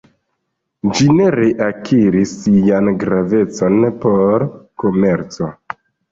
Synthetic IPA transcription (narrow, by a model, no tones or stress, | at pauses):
d͡ʒine̞ɾeʔakʰiɾisːijanɡɾave̞t͡so̞npo̞ɾko̞me̞ɾt͡so̞